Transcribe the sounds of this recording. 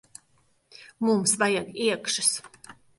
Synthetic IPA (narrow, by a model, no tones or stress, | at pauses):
mumsvajaɡiɛkʃus